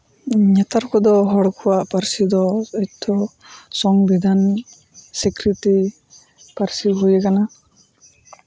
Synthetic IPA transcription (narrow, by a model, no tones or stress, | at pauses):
ɲɛt̪aɾkɔd̪ɔɦɔɽkʰuwaʔpaɾsid̪ɔɛc̚d̪ɔ | sɔŋbid̪ʱan | sikɾiti | paɾsiɦujekana